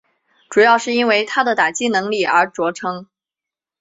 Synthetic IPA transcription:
ʈ͡ʂu˨˩jɑ˥˧ʊʂɻ̩˥˩i˥nwe˥ɪt̪ʰa˥d̪ə˨t̪a˨˩t͡ɕi˥nɤ˧˥ŋli˥˩ə˞˧˥t͡swɔ˧˥ʈ͡ʂʰɤ˥ŋ

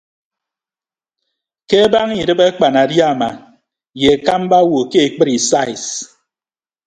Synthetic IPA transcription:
ke˦ba˦ŋi˨dɨ˦be˦k͡pa˨na˨dja˦˨ma˨ | je˨e˨ka˦m˦ba˦wo˨ke˦e˨k͡pɨ˦ɾi˨sa˦i˨s

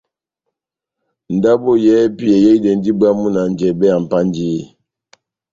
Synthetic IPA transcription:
n̩˨da˦bo˦jɛ˦pi˦ɛ˨jɛ˦i˦dɛ˨n˦di˦ba˦mu˦na˨n˨d͡ʒɛ˨bɛ˦a˨m̩˨pa˦n˦d͡ʒi˦˨

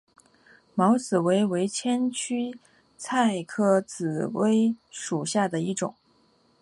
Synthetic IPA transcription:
mɑ˧˥ʊt͡sɹ̩˨˩we˧˥ɪwe˧˥ɪt͡ɕʰjɛ˥nt͡ɕʰy˥ | t͡sʰa˥˧ɪkʰɤ˥t͡sɹ̩˨˩we˥ɪʂu˨˩ɕja˥˩d̪ə˩i˥˩ʈ͡ʂʊ̰˨˩˦ŋ

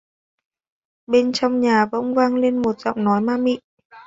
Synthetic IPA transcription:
ɓe˧nt͡ɕɔ˧wŋ͡mɲaː˨˩və̰˧˥wŋ͡mvaː˧ŋle˧nmo˨˩t̚z̥ɔ̰˧˨wŋ͡mnɔ˨˦jmaː˧mḭ˧˨

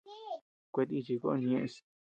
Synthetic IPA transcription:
kʷe˧t̪̬i˧t͡ʃi˧ko˦˧ɲ˧ẽ˧ʔs

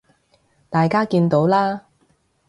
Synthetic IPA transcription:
t̪aː˨jkaː˥kiː˧nt̪o˨˥wlaː˥

